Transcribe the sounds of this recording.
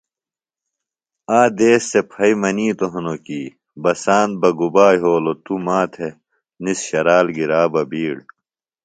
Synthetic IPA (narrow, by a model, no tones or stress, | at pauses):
aːd̪eːsːepʰɐimɐniːt̪oɦɐnokiː | bɐsaːnt̪̚bɐɡubaːjɦoːlot̪umaːt̪ʰe | nisɕɐɾaːlɡiɾaːbɐbiːɽ